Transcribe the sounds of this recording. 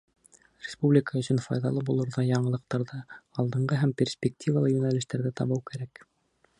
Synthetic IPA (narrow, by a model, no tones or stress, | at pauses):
rʲɪspublʲɪkəɵ̆sɵ̆nfɑ̰jðɑlˠɤbulˠɤ̆ɾðɑjɑɴɤ̆lˠɤ̆q̚t̪ɑɾðɑɑlˠd̪ɤ̆ɴɢɤɦæmpʲersʲpʲɪk̚t̪ʲʰivalˠɤjʉnælɘ̆ʃt̪æɾðɘt̪ɑβɤwkæɾæk